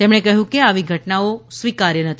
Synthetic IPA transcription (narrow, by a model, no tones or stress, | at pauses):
t̪emɳ̃ekəɦjũkeaʋiɡʱəʈnaosʋikaɾjənət̪ʰi